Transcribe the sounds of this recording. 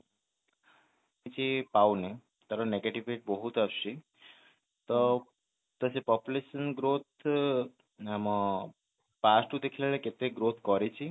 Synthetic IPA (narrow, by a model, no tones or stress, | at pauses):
it͡ʃipawne | t̪aɾoneɡeʈiʋeʈ̚bɔɦut̪apʃi | t̪ɔ | t̪əsepɔpjuleʃənɡɾot̪̚ʰ | amɔ | pasʈud̪ekʰilaleket̪eɡɾot̪ʰkɔɾit͡ʃʰi